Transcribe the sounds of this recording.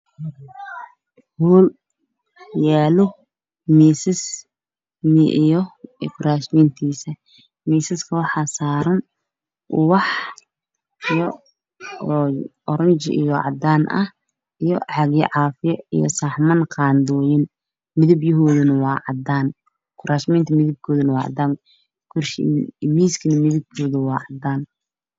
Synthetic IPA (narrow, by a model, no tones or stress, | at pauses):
huːl | jaːlʊ | miːsɪs | miʔijɔfɾaːsmiːnt̪ʰiːsɐ | miːsɪskʰɐwɑħɑːsaːɾɐn | ʊwɑħ | ijɔ | ɔɾɐɲt͡ʃɪ̰ʔḭjɔʕɑ̰d̪aːnʔɐ̰h | ʔijɔʕɑɣɪʕɑːfɪjɔḭjɔ̰sɑħmɐnqɑːnd̪ɔːjɪn | mɪðɐbjɐɦɔːðɐnɐwɑːʕɑd̪aːn | kʰʊɾʔaːʃmɛjnt̪ʰɐmɪðɪb̚kʰɔːðɐnɐwɑːʕɑ̰d̪aːŋ | kʰʊrʃmiːskʰɐnɐmɪðɪb̚k̪ʰɔːðɐwɑːʕɑd̪aːn